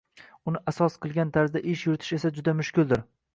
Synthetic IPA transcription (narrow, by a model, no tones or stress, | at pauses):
ʊnɪʔasɒsqʰɨlˠɡʲant̪ʰaɾzd̪aʔɪʃjʊɾɪt̪ʰɪʃe̞sad͡ʒʊd̪amʊʃkʲɪlˠd̪ɪɾ